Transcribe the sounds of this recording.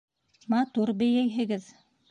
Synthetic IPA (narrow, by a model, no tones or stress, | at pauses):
mɑt̪uɾbɘ̆jæjɦɘ̆ɡɘð